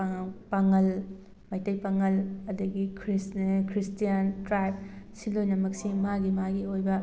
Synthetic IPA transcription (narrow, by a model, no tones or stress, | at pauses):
paŋɐl | mɐjtɐjpaŋɐlɐdɐɡikʰɾiskʰɾistijɐntɾajb̚silojnɐmɐk̚simaɡimaɡiojbɐ